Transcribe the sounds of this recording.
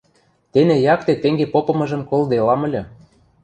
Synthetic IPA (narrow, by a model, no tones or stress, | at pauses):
t̪enejɑk̚t̪et̪eŋɡepopɤ̆mɤ̆ʒɤ̆mkold̪elɑmə̆lʲɤ̆